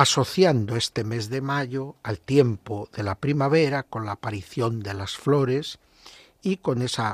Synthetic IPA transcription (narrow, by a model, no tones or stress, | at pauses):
aso̞θjand̪oest̪e̞me̞zðe̞maʎoalt̪je̞mpoðelapɾimaβ̞e̞ɾako̞nlaːpaɾiθjo̞nd̪e̞lasflo̞ɾes | iko̞ne̞sa